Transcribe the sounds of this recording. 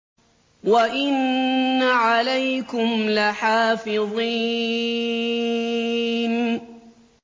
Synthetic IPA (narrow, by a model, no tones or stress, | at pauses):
waʔɪnːaʕalajkʊmlaħaːfɪðˤi | n